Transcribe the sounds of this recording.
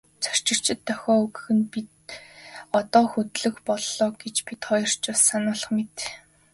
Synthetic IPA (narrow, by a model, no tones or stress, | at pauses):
t͡sʰœ̥r̥t͡ɕɪ̆kt͡ɕʰɪ̆t̪ʰːœxʲɔːɵɣɵ̆xɘ̆npit̪̚ | ɔt̪ɔːxut̪ɮɵ̆xpɔɮːɔːɡet͡ɕpit̪χɔjɞ̆r̥t͡ɕʊːsanʊːɮə̆χmet̪